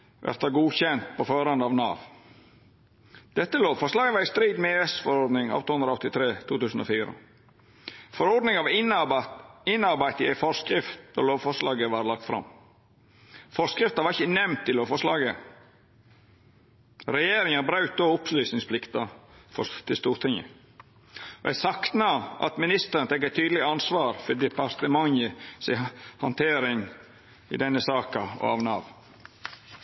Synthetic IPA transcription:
ʋʔæ̰ɾt̪ɑɡuːçɛnt̪̚pʰɔføːɾɑnd̪əɑʋnɑ̰ːʋ | d̪̥ɛt̪ːəloːʋfɔʂlɑːɡəʋɑɾɪst̪ɾiːd̪mɛɛsfɔɾɔɾd̪nɪŋɑ̰ːʋt̪ʰuːhɵnd̪ɾɑɔt̪ːɪt̪ʰɾeːt̪ʰuːt̪ʉːsən̩o̰ːfiːɾə̰ | fɔɾɔd̪nɪŋɑʋ | ɪnːɑɾbæɪt̪əæɪfɔskɾɪft̪d̪o̰loːʋfɔʂlɑːɡəʋɑɾlɑk̚t̪fɾɑ̰m | fɔɾskɾɪft̪ɑʋɑɾɪçənɛmnt̪ʰːɪlofɔʂlɑːɡə | ɾɛjeːɾɪŋɑbɾɑʉt̪̚d̪oːʊpslyːsnɪŋspʰlɪkt̪ɑfɔ̰t̪ʰɪlst̪uːɾt̪ʰɪŋə̰ | ɔ̰æsɑkt̪nɑɑ̰t̪mɪnɪst̪əɾənət̪ʰɛk̬ːət̪ʰyːd̪lɪɑnsʋɑːɾfɔd̪ɪpɑɾt̪əmɑŋəsɛɪhɑnt̪ʰeːɾɪŋ | ɪ̰d̪ɛnːəsɑːkɑɔ̰ɑ̰ʋnɑʋ

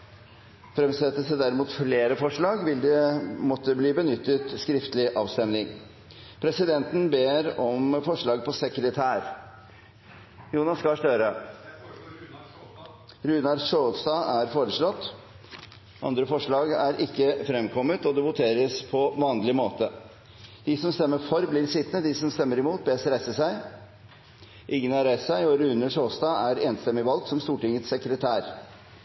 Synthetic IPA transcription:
fɾɛmsɛt̪ːəsəd̪æɾɪmuːt̪fleːɾəfɔʂɭɑːɡʋɪld̪ɛmɔt̪ːəbliːbənʏt̪ːət̪skɾɪft̪əlɪʔɑːʋst̪ɛmnɪŋ | pʰɾɛsɪd̪ɛnt̪nbeːɾɔmfɔʂɭɑːɡ̚pʰɔsɛkɾət̪ʰæːɾ | juːnɑskɑʂt̪øɾə | ɾʉːnɑɖʂoːst̪ɑːæɾfoːɾəʂɭɔt̪ː | ʔɑ̰nd̪ɾəfɔʂɭɑːɡæɾʔɪkːəfɾɛmkʰɔmːət̪ɔd̪ɛʋʊt̪ʰeːɾəspʰɔʋɑːnlɪmoːt̪ə | d̪̥ɪsɔmst̪ɛmːəfɔɾblɪɾsɪt̪nəd̪ɪsɔmst̪ɛmːəɾɪmuːt̪̚beːsəɾæsəsæɪ | ʔɪŋːənɑɾæɪssæɪɔɾʉnːəʂoːst̪ɑːæɾeːnst̪ɛmːɪʋɑlɡ̪sɔmst̪uːʈɪŋət̪sɛkɾət̪ʰæːɾ

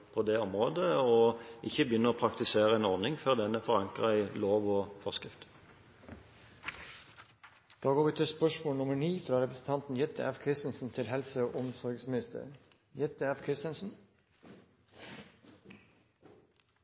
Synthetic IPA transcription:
pʰoːd̪eːɔmʁoːd̪əɔʔɪçəbjʏnəʁoːpʰʁɑkt̪ɪseːʁəɛːnɔʁnɪŋføːʁd̪ɛnəfɔʁɑŋkʁəæɪloːʋoːfɔskʁɪft̪ | d̪̥ɑːɡoːʋɪːt̪ʰɪlspœʂmoːlnʊməɳiːfɾɑːɾɛpɾəsn̩t̪ɑnt̪n̩jɛt̪əæfkʰɾɪst̪nsn̩t̪ʰɪlɦɛlsəoːʔʊmsɔɾɡsmɪnɪst̪ə̰ɾ | jɛt̪əæfkʰɾɪst̪ənsn̩

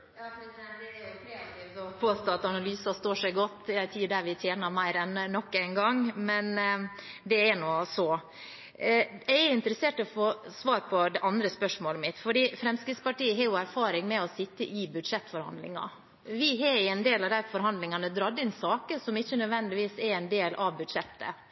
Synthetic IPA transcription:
jɑf | d̪ɛjʊkʰɾɛɑt̪iːft̪ɔpʰoːst̪oːɑt̪ɑnɑlyːsɑst̪oːʂɛɪɡɔt̪ːjæɪt̪ʰiːɖ̪æʋɪt̪ʰjeːnɑɾmæɪɾɛnnɔkːæɪnɡɑŋmɛn | d̪ɛɛnoːsɔː | jæɪæɪnt̪əɾəseːʈɔfoːsʋɑːɾpʰɔd̪ɛʔɑnd̪ɾəspœʂmoːləmɪt̪fɔɖiːfɾɛmskɾɪt̪spɑʈiːəɦɑɾjʊæɾfɑːɾɪŋmɛɔsɪt̪ːəʔɪbʉd̪ʂɛt̪ːfɔɾhɑ̰nd̪lɪ̰ŋɑ̰ | ʋɪɦɑɾɛnd̪eːlɑʋd̪æɪfɔɾɦɑnd̪lɪŋɑnəd̪ɾɑd̪ɪnsɑːkəsɔmɪçːənœd̪ʋɛnd̪ɪʋiːsɛɾɛɪnd̪eːlʔɑʋbʉd̪ʂɛt̪ːə̰

